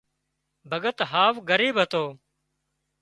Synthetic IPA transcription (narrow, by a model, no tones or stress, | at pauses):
bʱəɠət̪ɦaːʋɡəɾiːbɦət̪oː